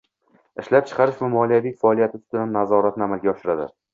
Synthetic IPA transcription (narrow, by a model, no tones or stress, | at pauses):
ɪʃlap̚t͡ʃʰɨ̥qʰɑɾɪʃvamɒlijavijfaɒlˠijat̪ʰɪt̪ʰʊ̥t̪ɪd̪anːazɒɾat̪nɪamalɡʲaɒʃɪɾad̪ɪ̰